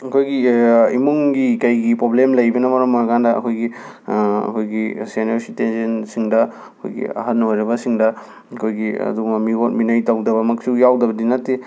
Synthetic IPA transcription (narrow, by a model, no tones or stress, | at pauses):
ɐkʰojɡiimuŋɡikɐjɡipɾoblemlɐjbɐnɐmɐɾɐmojɐkʰandɐɐ̰kʰojɡi | ɐ̰kʰojɡisenesitensensiŋdɐ | ɐkʰo̰jɡḭɐ̰ɦɐnojɾɐbɐsiŋdɐ | ɐkʰojɡiɐ̰duɡmɐmiɡot̚minɐjtawdɐβɐmɐksujawdɐbɐdinɐtːi